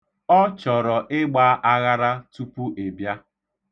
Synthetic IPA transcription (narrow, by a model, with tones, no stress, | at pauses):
ɔ˦t͡ʃɔ˨ɾɔ˨ʔɪ˦ɡ͡baː˦ʔa˦ɣa˦ɾa˦tu˦pu˦ʔe˨bja˦